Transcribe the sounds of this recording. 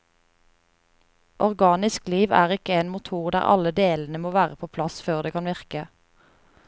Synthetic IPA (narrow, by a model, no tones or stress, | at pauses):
ʔɔʁɡɑːnɪskliːʋæ̰ːʁɪkəeːnmʊt̪ʰuːʁd̪æ̰ːʁɑ̰ləd̪eːln̩əmoːʋæːʁəpʰoːpʰlɑsføːʁd̪eːkʰɑnʋɪʁkə